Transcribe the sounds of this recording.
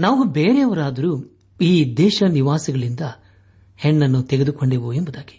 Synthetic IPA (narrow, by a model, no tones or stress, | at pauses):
naːʋubeːɾeɐʋɐɾaːd̪ɐɾuː | iːd̪ɛːʃɐniʋaːsiɡɐɭind̪ɐ | heɳːɐnːut̪eɡed̪uko̞ɳɖeːʋuembud̪aːɡi̥